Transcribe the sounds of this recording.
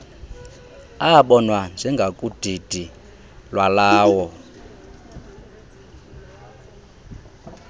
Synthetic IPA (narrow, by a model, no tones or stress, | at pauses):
aɓɔnwand͡zʱiŋɡʱakʼud̥ʱid̥ʱi | lwalaːwɔ